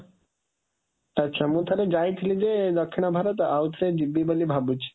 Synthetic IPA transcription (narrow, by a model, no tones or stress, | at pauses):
ɐtːɕʰamut̪ʰaɾed͡ʑajt̪ʰlid͡ʑed̪ɔkʰːinabʱaɾot̪awt̪ʰɾed͡ʑibːibolibʱabut͡ɕ